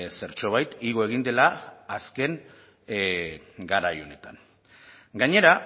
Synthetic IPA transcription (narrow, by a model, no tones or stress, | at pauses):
se̞ɾt͡ʃo̞β̞ajt̪iɣo̞e̞ɣ̞ind̪e̞laːske̞ŋ | ɡaɾajo̞ne̞t̪aŋ | ɡaɲe̞ɾa